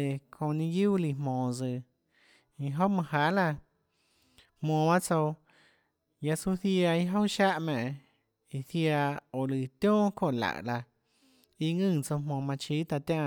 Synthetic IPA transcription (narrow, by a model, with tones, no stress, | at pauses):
e˨kʰõ˧˨nĩ˦ɡjuː˦li˧˨mõː˨d͡zɨ˧˨ | i˧ɦo˦ʔmɨ̃˧ɦaː˨˦la˧˨ | hmõː˧˨ba˦t͡so˧ | ja˧su˦θja˧i˧ɦo˦ʃa˦ʔmɛ̃˨ʔ | i˧θja˧o˨lɨ˨t̪jõː˦ko˧˨la̰˧˨ʔla˧ | i˧ŋɨ̃ː˦˧˨t͡so˧mõː˧˨mã˧t͡ʃi˦t̪a˧t̪jã˧˨